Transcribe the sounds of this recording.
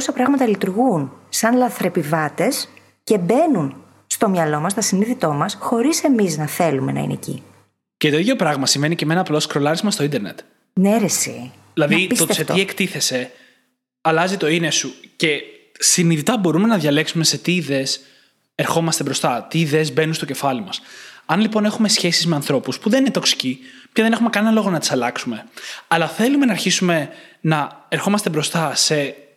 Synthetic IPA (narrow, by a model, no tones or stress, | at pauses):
osɐpɾɐɣmɐt̪ɐlit̪uɾɣunsɐnlɐθɾe̞pivɐt̪e̞s | ce̞be̞nun | st̪o̞mɲɐlo̞mɐst̪ɐsiniðit̪o̞mɐsxo̞ɾise̞miznɐθe̞lume̞nɐ̰ḭnḛcḭ | cet̪o̞iðjo̞pɾɐɣmɐsimvenicemenɐːplo̞skɾo̞lɐɾizmɐst̪oind̪eɾne̞̰t̪ | neɾesḭ | ilɐðiisot̪set̪iekt̪iθe̞se̞ | ɐlɐzit̪o̞inesuce̞siniðit̪ɐbo̞ɾume̞nɐðʝɐle̞ksume̞se̞t̪iðe̞s | eɾxo̞mɐst̪e̞bɾo̞st̪ɐt̪iːðe̞zbe̞nunst̪oce̞fɐlimɐsɐnlipo̞ne̞xume̞sçe̞sizme̞ɐnθɾo̞puspuðe̞ninet̪o̞ksi̥cipçɐðe̞ne̞xume̞kɐne̞nɐlo̞ɣo̞nɐt̪isɐlɐksume̞ɐlɐθe̞lume̞nɐɾçisume̞nɐe̞ɾxo̞mɐst̪ebɾo̞st̪ɐse̞